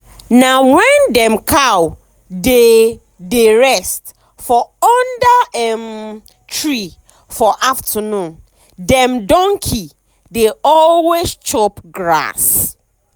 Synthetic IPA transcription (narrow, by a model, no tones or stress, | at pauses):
nawɛ̃ndɛ̃mkʰaw | de | deɹɛst | fɔɔndaɛm | tʰɹi | fɔʔaftʰənũn | dɛ̃mdɔ̃ŋkʰi | deɔllwest͡ʃɔpɡɹa̰s